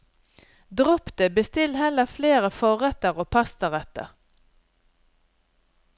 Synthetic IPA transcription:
d̪ʁɔpt̪əbəst̪ɪlhɛləfleːʁəfɔʁɛt̪əʁoːpʰɑst̪əʁɛt̪ə̰ʁ

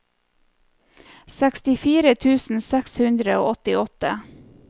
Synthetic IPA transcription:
sækst̪ɪfiːɾət̪ʰʉːsn̩sɛkshʉnd̪ɾəo̰ːʔɔt̪ɪɔt̪ə

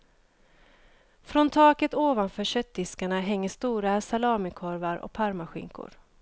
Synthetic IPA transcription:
fɾɔnt̪ʰɑːkət̪oːvanfœːɕœt̪̚d̪ɪskaɳaɦɛŋːəʂt̪uːɾasalɑːmɪkʰɔɾvaɾɔ̰k̚pʰaɾmaɧɪ̰ŋkʊ̰ɾ

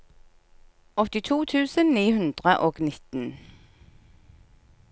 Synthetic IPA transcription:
ɔt̪ɪt̪ʰuːt̪ʰʉːsənniːhʉnd̪ʁəʔoːɡnɪt̪ən

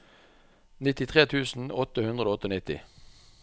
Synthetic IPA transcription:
nɪt̪ɪt̪ʰʁeːt̪ʰʉːsn̩ɔt̪əhʉnd̪ʁəoːɔt̪əːnɪt̪ɪ̰

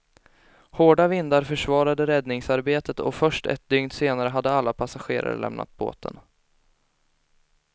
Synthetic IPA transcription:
hoːɖavɪnd̪aɾfœʂvɑːɾad̪əɾɛd̪nɪŋsaɾbeːt̪ət̪ɔ̰fœʂʈɛ̰t̪̚d̪ʏŋd̪seːnaɾəɦad̪ːəalːapʰasaɧeːɾa̰ɾlʔɛ̰mnʔa̰t̪̚bo̰ːt̪ʰə̰n

